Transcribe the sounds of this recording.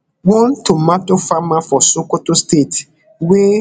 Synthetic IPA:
wɔ̃ntumãtofamafɔsokotostet | we

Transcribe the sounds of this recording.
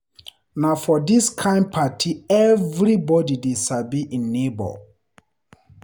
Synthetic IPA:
nafɔdiskʰãɪ̃n̚pʰatʰiɛvɹibɔdidisabiʔĩnːebɔ̰l

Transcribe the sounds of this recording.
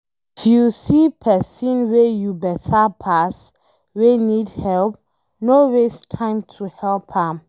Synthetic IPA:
ifjusipʰɛsĩnwejubɛtʰapʰas | wenidhɛlp̚ | nowestʰãɪ̃mtʰuhɛlphãm

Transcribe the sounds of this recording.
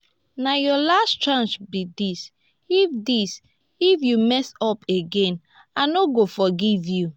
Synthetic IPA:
najɔlast͡ʃãnt͡ʃbidis | ifdis | ifjumɛsɔpʰeɡẽn | ãnoɡofɔɡivju

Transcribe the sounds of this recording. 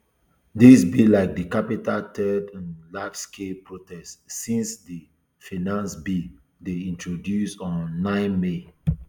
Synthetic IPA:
disbilaɪk̚dikapitatʰɛdãnlafskʰepɹotɛstːĩnsdi | finãnsbi | deĩntʰɹodjusɔ̃nːãɪ̃nme

